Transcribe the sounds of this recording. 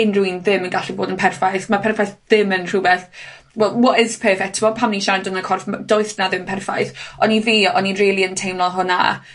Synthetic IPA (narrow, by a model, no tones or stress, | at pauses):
ɪnruinðɪmənɡaɬiboːdənpʰɛrfajθmapʰɛrfajθðɪmənr̥ubɛθ | wɛlˠwɔɪz̥pʰɛːfɛktʰɪbɔpʰamniʃandənakʰɔrfd̥ɔɨθnaðɪmpʰɛrfajθɔniviːɔninriːlˠiəntʰejmlˠɔɦʊna̰